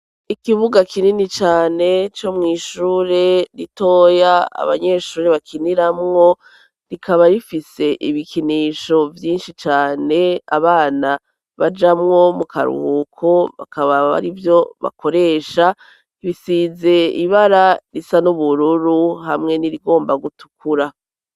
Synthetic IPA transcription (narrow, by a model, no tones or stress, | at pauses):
ikiβuɡakʰininit͡ʃaːne̞t͡ʃo̞mŋiːʃuːɾe̞ɾito̞ːjaa̰βa̰ɲe̞ʃuːɾeβakʰiniɾamŋo̞ | ɾikaβaɾifise̞ʔiβikiniʃo̞vjiːnʃit͡ʃaːne̞a̰βaːna | βad͡ʒamŋo̞mukʰa̰ɾṵhukʰo̞βa̰kaβaβa̰ɾivjo̞βa̰kʰo̞ɾe̞ːʃa | βisize̞iβaɾaɾisanuβuɾuɾuɦamŋe̞niɾiɡo̞ːmbaɡutu̥kʰuɾa